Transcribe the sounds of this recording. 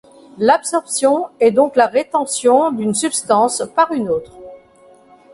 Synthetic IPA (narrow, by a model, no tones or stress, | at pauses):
lapsɔʁpsjɔ̃ɛd̪ɔ̃klaʁet̪ɑ̃sjɔ̃d̪ynsypst̪ɑ̃spaʁynot̪χ